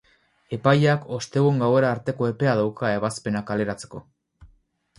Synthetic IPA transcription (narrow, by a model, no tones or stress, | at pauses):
e̞pajako̞st̪e̞ɣueŋɡawe̞ɾaːɾt̪e̞ko̞e̞pe̞aðawkae̞β̞aspe̞nakale̞ɾat͡se̞̥ko̞